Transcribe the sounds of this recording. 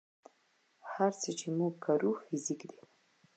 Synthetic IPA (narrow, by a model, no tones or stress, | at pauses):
haɾt͡sət͡ʃemuɡːʰaɾufɪzikd̪i̥